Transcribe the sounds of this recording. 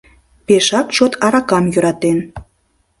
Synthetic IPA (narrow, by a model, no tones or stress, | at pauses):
peʃɑkʃot̪ɑɾɑkɑmjø̆ɾɑt̪en